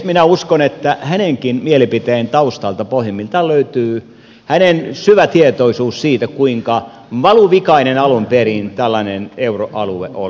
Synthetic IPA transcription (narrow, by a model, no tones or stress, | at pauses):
minæuskonet̪ːæhæneŋkinmielipit̪eːnt̪ɑust̪ɑlt̪ɑpohjimːilt̪ɑløyt̪yː | hænensyʋæt̪iet̪oisuːssiːt̪ækuiŋkɑ | ʋɑluʋikɑinenɑlumperint̪ælːɑneneuroʔɑluḛʔo̰